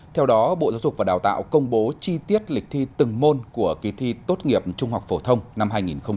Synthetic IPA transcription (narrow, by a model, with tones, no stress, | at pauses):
t̪ʰɛ˧wɗɔ˨˦ɓo̰˧˨zaː˨˦wzʊ˨˩k͡p̚vaː˨˩ɗaː˨˩wt̪a̰ː˧˨wkə˧wŋ͡mɓo˨˦t͡ɕi˧t̪i˦˥ət̚lï˨˩k̚t̪ʰi˧t̪ɨ˨˩ŋmo˧nku˧˩əki˨˦t̪ʰi˧t̪o˦˥t̚ŋi˨˩əp̚t͡ɕʊ˧ŋ͡mhwa˨˩k͡p̚fo˧˩t̪ʰə˧wŋ͡mna˧mɦaː˧jŋi˨˩nxə˧w